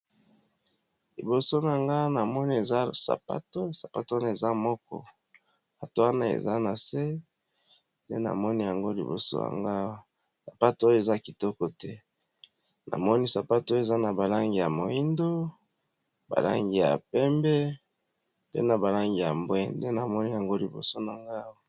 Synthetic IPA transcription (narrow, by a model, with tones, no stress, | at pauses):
li˨bo˨so˦na˨ŋɡa˦na˨mɔ˦ni˦e˨za˦sa̰˨pa̰˦to˦sa˨pa˨to˦na˦e˨za˦mɔ˦kɔ̰˨ | a˨to˦wa˦na˦ḛ˨za˦na˨se˦ | ndḛ˦na̰˨mɔ˦ni˦ja˨ŋɡo˦lḭ˨bo̰˨so̰˦ja̰˨ŋɡa˦ | sa˨pa˦to˦o˦jo˦e˨za˦ki˨tɔ˦kɔ˨tɛ˦ | nʔa̰˨mɔ˦ni˦sa˨pa˦to˦e˨za˦na˨ba˨la˦ŋɡi˨ja˨mo˨ji˦ndo˦ | ba̰˨la̰˦ŋɡi˨ja̰˨pɛ˦mbɛ˦ | pḛ˦na˨ba˨la˦ŋɡi˨ja˨mbwɛ˦nde˦na˨mɔ˦ni˦ja˨ŋɡo˦li˨bo̰˨so˦na˨ŋɡa˦˨